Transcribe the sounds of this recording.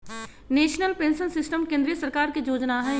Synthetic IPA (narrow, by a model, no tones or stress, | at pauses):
neːʃnəlpẽːnsənsɪsʈəmkẽːnd̪ɾijəsəɾkaːɾkijoːd͡ʒnaɦɛ̃